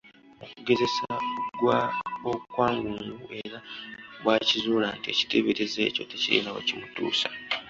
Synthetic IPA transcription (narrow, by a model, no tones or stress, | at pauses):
o̞kuɡe̞ze̞saɡwaokwaːŋɡuŋɡuʔe̞ɾaβwaːcizuːlaːntie̞̰ci̥teβeɾezḛːco̞teciɾḭːnaβa̰cimutṵːsḁ